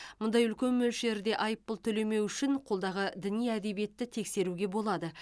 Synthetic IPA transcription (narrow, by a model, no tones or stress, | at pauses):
mʊnd̪ɑjʏlkʲe̞nmɵlʃe̞ɾd̪e̞ʔɑjəpːəlˠt̪ʰɵle̞me̞wʏʃɪnqʰo̞lˠd̪ɑʁəd̪ɪnijæd̪e̞bije̞t̪ːɪt̪ʰe̞kse̞ɾuɡʲe̞bo̞lˠɑd̪ə